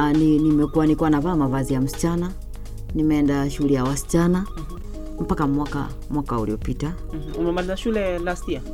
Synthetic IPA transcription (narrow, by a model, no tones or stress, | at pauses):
ninimɛkuwanikuwanavaːmavazijam̩si̥t͡ʃana | nimɛɛndaʃuulɛjawasi̥t͡ʃana | m̩pakamwaka̰ | mwakauliɔpita | umɛmalizaʃulɛlastia